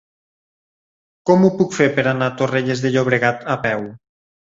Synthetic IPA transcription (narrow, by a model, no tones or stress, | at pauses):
kɔmupukfeɾpeɾanat̪oreʎezðeʎoβ̞ɾeɣat̪apɛw